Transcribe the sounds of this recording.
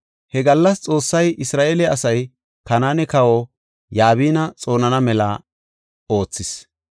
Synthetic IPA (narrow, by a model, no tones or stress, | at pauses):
hɛɡɐlːɐst͡sʼo̞ːsːɐjʔɪsɾaːʔeːlɛɐsɐj | kɐnaːnɛkɐwo | jaːβiːnɐt͡sʼo̞ːnɐnɐmɛlaː | o̞ːt͡sːɪs